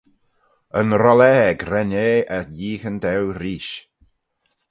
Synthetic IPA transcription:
ənɾɔlɛɡɾɛneːəɾjiːxəndɛwɾiːʃ

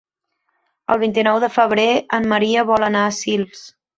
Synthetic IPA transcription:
ə̰lˠβint̪inɔwðəfəβ̞ɾeəmːəɾiəβɔlˠənaəsilˠs

